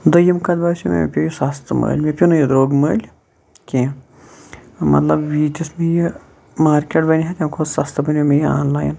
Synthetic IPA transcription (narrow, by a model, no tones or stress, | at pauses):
d̪əjimkɐd̪basʲimḛpʲojisast̪ʰmə̰ːlʲmepʲunɨjid̪ɾoːɡməːlʲ | kʲẽ | mɐ̰t̪lɐbʋiːt̪ʲismeji | maːɾkʲeʈbɐnʲɦɐt̪ʲɐmkʰod̪sast̪ɐbɐnʲemejia̰ːnlaːjn